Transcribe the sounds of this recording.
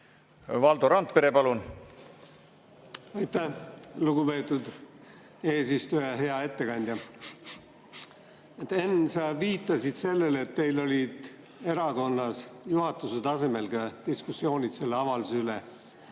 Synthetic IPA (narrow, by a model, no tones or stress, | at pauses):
vɑld̪oɾɑnt̪̚peɾe̞pɑlun | ɑjt̪ːæhluɡupe̞ːt̪ud̪ | e̞ːsist̪ujɑɦe̞ɑe̞t̪ːe̞kɑnʲd̪̥jɑ | t̪ːe̞nsɑviːt̪ˑːɑsid̪̥se̞lːe̞let̪ːe̞jlo̞lʲid̪̥ | e̞ɾɑɡo̞nːɑsjuhɑt̪ːˑuset̪ɑse̞me̞lɡ̥ɑt̪iskusːjo̞ːnʲit̪se̞lːeɑvɑlusyle